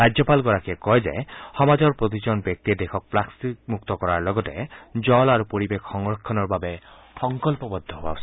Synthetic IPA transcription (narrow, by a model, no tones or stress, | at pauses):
ad͡ʒɔpalɡɔɹakiɛkɔjzɛ̰xɔmazɔɹpɹot̪̬izɔnbjɔk̚t̪iɛd̪exʰɔk̚plaksimukt̪ɔkɔɹaɹlɔɡɔtɛd͡ʒɔlaɹupoɹibekxɔŋɹɔkʰːɔnɔɹbabɛ | xɔŋkɔlpɔbɔd̪ʱːɔɦoba̰osʰi